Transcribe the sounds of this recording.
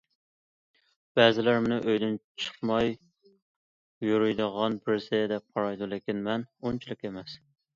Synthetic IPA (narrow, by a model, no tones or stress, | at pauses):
b̥ɛzɪlæɾmʊnɨʔøjd̪ɪnt͡ʃʰə̥qmɑj | juɾujd̪əʁɑnbɪɾsɪd̪ɛp̚qʰɑɾɑjd̪ulˠɪkʲinmɛnunt͡ʃʰilˠɪkʲemɛs